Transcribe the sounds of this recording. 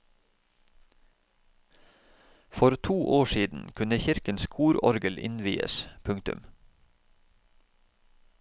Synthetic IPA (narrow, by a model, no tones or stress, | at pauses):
fɔɾt̪ʰuːʔoːʃiːd̪n̩kʰʉnəçɪɾkənskʰuːɾɔɾɡəlʔɪ̰nʋḭːə̰spʰʉŋt̪ʉ̰m